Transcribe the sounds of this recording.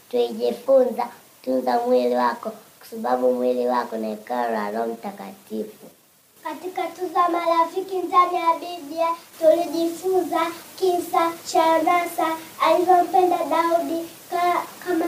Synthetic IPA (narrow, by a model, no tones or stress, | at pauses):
twiʄifunza | tunzamwiliwakɔkwḁsaɓaɓumwiliwakɔnaɛkaɾalɔm̩takatifu | katikatuzamalafikind͡ʒamiaɓibiatuliʄifunzakinsat͡ʃanasaːlizɔm̩pɛndaɗauɗi | kama